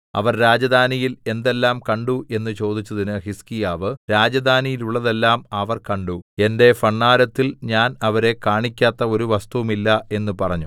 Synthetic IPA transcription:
ɐ̰ʋɐrɾaːd͡ʑɐd̪ʱaːnijile̞nd̪e̞lːaːmkɐɳɖuʔe̞nːɨt͡ɕo̞ːd̪it͡ɕːɐðinɨhiskijaːʋɨɾaːd͡ʑɐd̪ʱaːnijiluɭːɐðe̞lːaːmɐʋɐrkɐɳɖue̞nde̞fɐɳːaːɾɐt̪ːilɲaːnɐʋɐɾe̞kaːɳikʲːaːt̪ːɐo̞ɾuʋɐst̪uʋumilːɐe̞nːɨpɐrɐɲːu

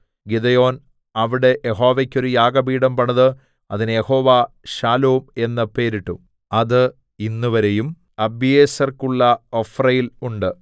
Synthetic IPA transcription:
ɡid̪ejo̞ːn | ɐʋiɽe̞ʔjeɦo̞ːʋekʲːo̞ɾujaːɡɐbiːɽɐmpɐɳɐðɨ | ɐðinɨje̞ho̞ːʋa | ɕaːloːme̞nːɐpe̞ːɾiʈːu | ɐðɨ | inːuʋɐɾe̞jum | ɐbijeːsɐrkuɭːɐofrɐjiluɳɖɨ

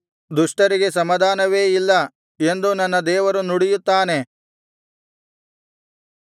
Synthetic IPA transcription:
d̪uʂʈɐɾiɡe̞sɐmɐd̪ʱaːnɐʋeːilːɐ | e̞nd̪unɐnːɐd̪ɛːʋɐɾunuɽijut̪ːaːne̞

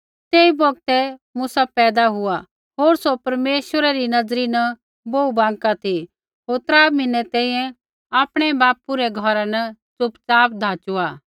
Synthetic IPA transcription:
t̪eːibɔɡ̚t̪ɛmʊsapɛːd̪aɦʊa | ɦoːɾsopɐɾmeːʃʋəɾɛɾinɐd͡zɾinɐ | boːubãːŋkat̪ʰi | ɦoːɾt̪ɾaːmɪnɛt̪ɛ̃ːĩːjɛ̃ | aːpɽ̃ɛbaːpuɾɛɡʱɔɾanɐt͡sʊpt͡saːpd̪ʱaːt͡ʃuaː

